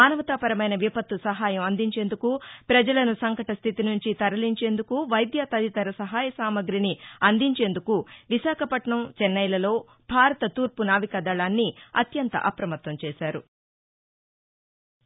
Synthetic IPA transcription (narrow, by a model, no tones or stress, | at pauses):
aːnɐʋɐt̪aːpɐɾɐmɐjnɐʋipɐt̪ːusɐɦaːjɐmɐnd̪iɲt͡ʃe̞ːnd̪ukupɾɐd͡ʒɐlɐnusɐŋkɐʈɐst̪ʰit̪inuɲt͡ʃit̪ɐɾɐliɲt͡ʃe̞ːnd̪ukuʋɐjd̪jaːt̪ɐd̪it̪ɐɾɐsɐɦaːjɐsaːmɐɡɾiniɐnd̪iɲt͡ʃe̞ːnd̪ukuʋiʃaːkʰɐpɐʈɳɐmt͡ʃɛnːɐjlɐlo̞ː | bʱaːɾɐt̪ɐt̪uːɾpunaːʋikɐd̪ɐːlaːnːiɐ̰t̪jɐnt̪ɐ̰ʔɐpɾɐmɐt̪ʋɐmt͡ʃɛːʃaːɾu